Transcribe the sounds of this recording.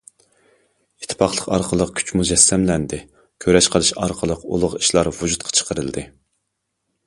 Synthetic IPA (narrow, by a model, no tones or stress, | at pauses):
it̪ʰːɪ̥pɑχlˠəqɑ̰ɾqʰəlˠəq̚kʲʰy̥t͡ʃmud͡ʒɛsːɛmlɛnd̪ɪ | kʲʰøɾɛʃqʰəlˠɨʃɑɾqʰəlˠəqṵlˠʊʁiʃlˠɑɾvud͡ʒut̪qʰɑ̥t͡ʃʰə̥qəɾɨlˠd̪ɨ